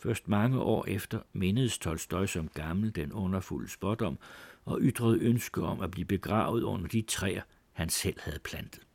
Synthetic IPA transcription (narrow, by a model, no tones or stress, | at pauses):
fɶɐsd̥mɑ̈ŋəʔɒ̰ːʔefd̥ɐme̝nəð̞̩ˠsdʰɒlsd̥ɒ̽ɪsɒ̽mɡ̥ɑ̈ml̩d̥enɔ̽nɐfuləsb̥ɒd̥ɒ̽m̰ɒ̽ʔyd̥ʁɐð̞̩ˠønsɡ̥əɒ̽mæb̥liːb̥e̝ɡ̥ʁɑ̰̈ːʊð̞̩ˠɔ̽n̰ɐd̥it͡sʰʁɛ̰ːɐ | hænsel̰hæð̞̩ˠpʰlænd̥ð̩ˠ